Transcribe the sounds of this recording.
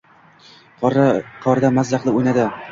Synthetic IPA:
qʰɒɾd̪amazlɑqlˠɪojnad̪ɪ

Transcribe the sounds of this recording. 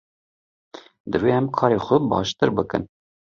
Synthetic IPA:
d̪ɨveːɛmkʰɑːɾexʷəbɑ̰ːʃt̪ɨɾbɨkɨ̰n

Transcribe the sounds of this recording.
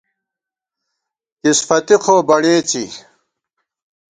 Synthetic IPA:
kisfɐt̪ixʰoːbɐɳeːt͡ɕi

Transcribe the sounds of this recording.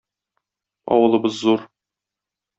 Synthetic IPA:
ɒ̰wɤ̆lˠɤ̆bɤzːuɾ

